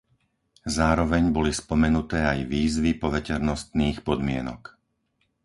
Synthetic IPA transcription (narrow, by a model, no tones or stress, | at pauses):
zaːɾɔʋɛɲbɔlispɔmɛnut̪ɛːajʋiːzʋipɔʋɛcɛɾnɔst̪niːxpɔd̪mɪɛnɔ̰k